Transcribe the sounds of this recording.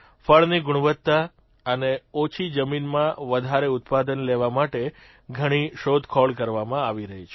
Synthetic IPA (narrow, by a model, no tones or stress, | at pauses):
fəɭniɡʊɽ̃ʋət̪ːa | əneɔt͡ʃʰid͡ʒəminmãʋəd̪ʱaɾeʊt̪pad̪ənleʋamaʈe | ɡʱəɽ̃iʃod̪ʱkʰɔɭkəɾʋamãaʋiɾəɦit͡ʃʰe